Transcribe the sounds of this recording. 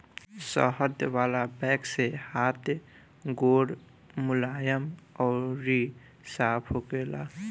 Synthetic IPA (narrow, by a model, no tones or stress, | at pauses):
sɔ̰ɦəd̪ʋaːlabɛksehaːt̪ | ɡoɽ | mʊlaːjəmɔːɾɾi | saːpʰɦoɡela̰